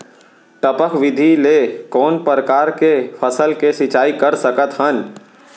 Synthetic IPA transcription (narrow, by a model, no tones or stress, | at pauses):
ʈəpəkʰʋɪd̪ʱilekɔːnpəɾəkaːɾkepʰəsəlkesɪt͡ʃaːikəɾsəkət̪ɦən